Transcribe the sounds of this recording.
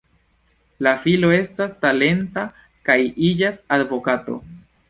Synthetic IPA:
lafilo̞e̞stastale̞nta | kajid͡ʒasadvo̞kato̞̰

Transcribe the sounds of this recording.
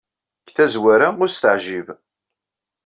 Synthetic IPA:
kθæzwaɾaʊɾst̪əʕʒiv

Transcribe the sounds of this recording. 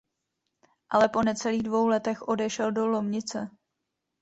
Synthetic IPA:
ʔalɛpo̞nɛt͡sɛliːɣdvo̞wlɛt̪ɛxʔo̞dɛʃɛldolo̞mɲɪt͡sɛ

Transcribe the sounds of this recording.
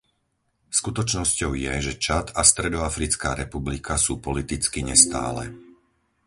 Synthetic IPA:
skut̪ɔt͡ʃnɔscɔʊjɛʒɛt͡ʃat̪ast̪ɾɛd̪ɔafɾit͡ska̰ːɾɛpublikʰasuːpɔlit̪it͡skiɲɛst̪a̰ːlɛ̰

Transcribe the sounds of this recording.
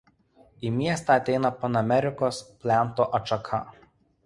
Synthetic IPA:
iːmʲiɛst̪ɑˑɐt̪ʲɛɪnɐpɐnɐmʲɛɾʲɪkoːspʲlʲæˑnˑt̪oːʔɐʃɐkʰɐ̰

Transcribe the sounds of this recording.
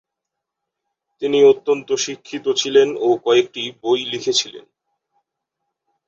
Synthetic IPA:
t̪iniot̪ːont̪oʃikʰːit̪ot͡ɕʰilenokɔek̚ʈibojlikʰet͡ɕʰilḛn

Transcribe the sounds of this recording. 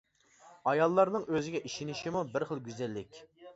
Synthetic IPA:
ɑjɑlˠːɑɾnɨŋʔøzɪɡʲɛʔiʃiniʃimubɪɾχəlˠɡʲyzælːɪkʲ

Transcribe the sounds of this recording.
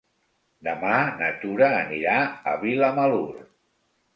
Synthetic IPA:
d̪əmanət̪uɾəːniɾaə̰βiləməluɾ

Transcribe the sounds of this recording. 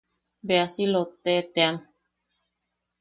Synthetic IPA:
beasilot̪ːet̪ean

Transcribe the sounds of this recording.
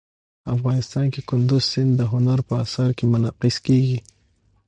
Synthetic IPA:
afɣɑnɪst̪ɑnkekʊnd̪ʊzsɪnd̪ːəɦʊnaɾpəasaɾkemʊnaqɪskeɡi

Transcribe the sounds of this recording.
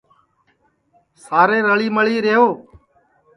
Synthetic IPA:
saːɾeːɾəɭiːməɭiːɾeːɦoː

